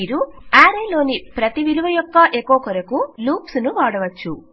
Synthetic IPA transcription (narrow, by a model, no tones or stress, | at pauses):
iːɾuaːɾelo̞ːnipɾɐt̪iʋiluʋɐjɔkːɐʔeːkɔːkɐɾɐkuluːpsunuʋaːɽɐʋɐt͡ʃːu